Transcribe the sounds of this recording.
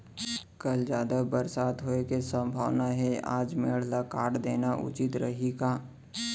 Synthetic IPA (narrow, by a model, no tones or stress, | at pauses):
kəld͡ʒjaːd̪abəɾsaːt̪ɦoekesə̃mbʱaːʋnaɦɛa̰ːd͡ʒmeɭ̤lakaːʈd̪eːnaʔʊ̰t͡ʃɪt̪ɾəɦikaː